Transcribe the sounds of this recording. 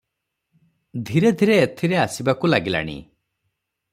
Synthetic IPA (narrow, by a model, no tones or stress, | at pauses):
d̪ʱiɾed̪ʱiɾeːt̪ʰiɾeasibakulaɡila̰ɽ̃ḭ